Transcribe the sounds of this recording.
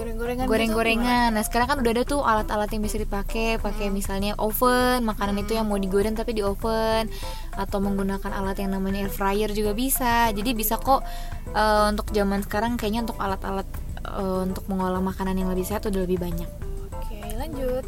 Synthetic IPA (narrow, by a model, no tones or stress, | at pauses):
ɾŋɡɾŋaɡoɾɛŋɡoɾeŋanːahsə̥kaɾaŋkanudahadat̪ʊʔalat̪alat̪jaŋbisadipakepakemisalɲaʔofənmakananit̪ujaŋmawdiɡoɾɛŋt̪apidiofən | at̪awməŋɡunakanʔalat̪jaŋnamaɲaɛrfɾajərd͡ʒuɡabisad͡ʒadibisako | ʔəunt̪ʊk̚d͡ʒamansə̥kaɾaŋkajaʔɲaunt̪ʊkalat̪a̰lat̪̚ | əunt̪ʊk̚məŋolaŋmakananjaŋləbɪhsaat̪udahləbɪhbaɲak̚okelaɲd͡ʒut̪̚